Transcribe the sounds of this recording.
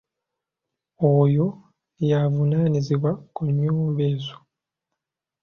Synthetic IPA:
oːjo̞ | javunaːniziβwakuɲːoːmbeːzo

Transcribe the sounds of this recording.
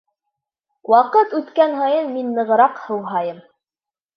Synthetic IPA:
wɑqɤt̪ʉt̪kænɦɑjɤnminːɤ̆ʁɤ̆ɾɑqhɤ̆wɦɑjɤm

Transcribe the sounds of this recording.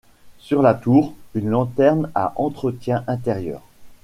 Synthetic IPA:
syʁlat̪uːʁynlɑ̃t̪ɛʁna̰ʔɑ̃t̪χət̪jɛ̃ʔɛ̃t̪eʁjœ̰ːʁ

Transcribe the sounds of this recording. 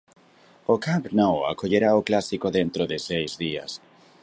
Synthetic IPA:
okampnowa̰koʎeɾaoklasikoðẽnt̪ɾoðɪsejzðia̰s

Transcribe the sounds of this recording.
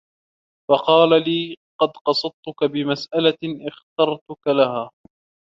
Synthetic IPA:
fɑqɑːlaliː | qɑd̪qɑsˤɑd̪̚t̪ʊkabɪmasʔalaʔɪxt̪ɑɾˤt̪ʊkalahaː

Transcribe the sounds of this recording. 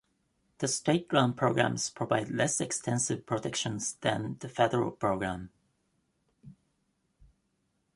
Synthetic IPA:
ðəsteɪt̚ɡ̥ɹãʊ̃n̚pʰɹ̥oʊɡɹæ̰̃mz̥pʰɹ̥əvaɪdlɛsɛkstʰɛ̃nsɪv̥pʰɹ̥ətʰɛkʃə̃nzðɨ̃nðəfɛdəɹə̰l̩ˠpʰɹ̥oʊɡɹæ̃m

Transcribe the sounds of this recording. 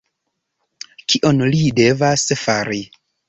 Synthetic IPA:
kiʔo̞nlide̞vasfaɾi

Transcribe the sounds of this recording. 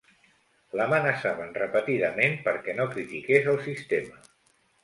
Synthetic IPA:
ləmənəsaβənrəpət̪iðəmenpəɾkɛnokɾit̪ikezəlˠsist̪emə

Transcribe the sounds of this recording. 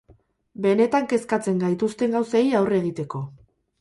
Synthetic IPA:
be̞ne̞t̪aŋke̞skat͡se̞ŋɡajt̪ust̪e̞ŋɡawsajawre̞ɣ̞it̪e̞ko̞

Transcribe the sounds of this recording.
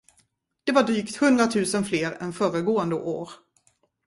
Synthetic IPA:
d̪̥ɛvaɖɾyːkt̪hɵnd̪ɾat̪ʰʉ̟ːsənfleːɾɛ̰nfœːɾəɡoːənd̪əʔo̰ːɾ

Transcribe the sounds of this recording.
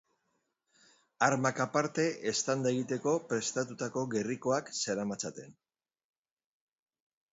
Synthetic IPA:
aɾmakapaɾt̪e̞ʔest̪and̪aeɣit̪e̞ko̞pɾe̞st̪at̪ut̪ako̞ɣe̞riko̞akse̞ɾamat͡sat̪e̞̰n

